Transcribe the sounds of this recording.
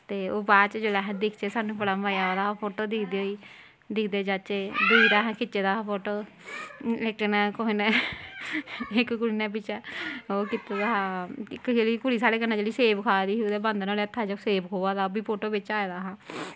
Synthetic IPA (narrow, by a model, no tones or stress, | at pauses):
t̪eːoːbaːt͡ʃd͡ʒolɛːɦɛ̃d̪ɪkʰt͡ʃeːsaːnũːpəɽãːʋaːjaːoːd̪aːpʰoːʈoːd̪ɪkʰd̪eːoːiː | d̪ɪkʰd̪eːd͡ʒat͡ʃeːd̪iːɾaːɦːkɪt͡ʃːeːd̪aːpʰoːʈoː | ɛːk̚ʈənɛːkoinɛ | ɪkkʊɽiːnɛ̃ːp̬ɪt͡ʃɛːoːkɪt̪ad̪aːɦaːɪkːd͡ʒeːliːkʊɽiːsaːɽeːkənːãːd͡ʒeːliːseːbkʰaːd̪iːsid̪eːbãnd̪noːleət̪ʰːaːd͡ʒaoseːbkʰoːʋaːd̪aːobiːpʰoːʈoːbɪt͡ʃaːed̪aːɦãː